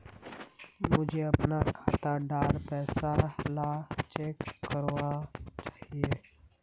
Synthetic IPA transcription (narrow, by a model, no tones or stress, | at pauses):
mʊd͡ʒʱeɐpnakʰaːt̪aɖaːɾpɛːsaɦlat͡ʃeːkːəɾʋat͡ʃḁːɦieː